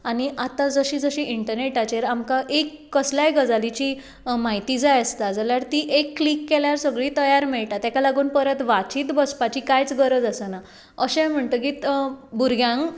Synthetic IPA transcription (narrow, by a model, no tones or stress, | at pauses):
añiʔat̪ad͡zəɕiːd͡zəɕiʔiɳʈəɾneʈat͡ɕeɾamkaʔekːəsljajɡəd͡zalit͡ɕiː | maɦit̪iːd͡zajəst̪ad͡zaljaɾt̪iʔekːlikːeljaɾsəɡɭiːt̪əjaɾmiɭʈ̪at̪jakalaɡuːnpəɾət̪ʋat͡ɕiːt̪bəspat͡ɕikajt͡sɡəɾəd͡zasəna | əɕɛ̃m̤əɳt̪əkit̪buɾɡjãŋɡ